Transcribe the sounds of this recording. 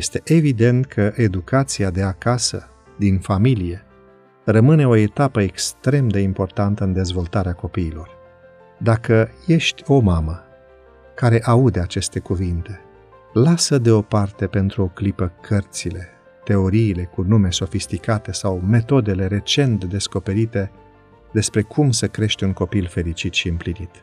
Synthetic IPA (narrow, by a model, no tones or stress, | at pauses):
jest̪e̞ʔevid̪e̞nt̪kʰəʔe̞d̪ukat̪siad̪e̞akasə̰ | d̪infamilije̞ | rəmɨne̞o̞e̞t̪apəekst̪ɾe̞md̪e̞impo̞rt̪ant̪əɨnd̪e̞zvo̞lt̪aɾeako̞piːlo̞r | d̪akəje̞ʃt̪ʲo̞mamə | kaɾe̞ʔaud̪e̞at͡ʃe̞st̪e̞kuvint̪e̞ | lasəd̪e̞o̞part̪e̞pe̞nt̪ɾuo̞klipəkʰərt̪sile̞ | t̪e̞o̞ɾiːle̞kunume̞so̞fist̪ikat̪e̞sawme̞t̪o̞d̪e̞le̞ɾe̞t͡ʃe̞nt̪d̪e̞sko̞pe̞ɾit̪e̞ | d̪e̞spɾe̞kʰumsəkɾe̞ʃt̪ʲuŋko̞pilfe̞ɾit͡ʃit̪ʃiɨmplinit̪